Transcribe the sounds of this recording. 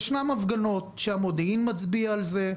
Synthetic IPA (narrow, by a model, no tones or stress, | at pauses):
ʃnamavɡano̞t̪ʃeamod̪einmat͡sbiaːlze̞